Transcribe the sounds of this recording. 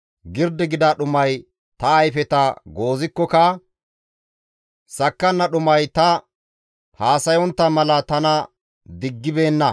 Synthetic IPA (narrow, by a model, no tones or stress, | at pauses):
ɡɪɾd̪ɪɡɪd̪ɐɗʊmɐj | t̪ɐːjfɛt̪ɐɡo̞ːzɪkːɔkɐ | sɐkːɐnːɐɗʊmɐjt̪ɐ | haːsɐjɔnt̪ːɐmɐlɐt̪ɐnɐ | d̪ɪɡːɪbe̞ːnːɐ